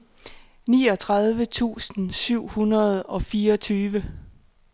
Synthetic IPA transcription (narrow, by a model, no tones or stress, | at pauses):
niːɒ̽t͡sʰʁɑð̞ˠʋət͡sʰṵːsn̩syʊ̰hunɐð̞̩ˠɒ̽fiːɐɒt͡sʰyːʋə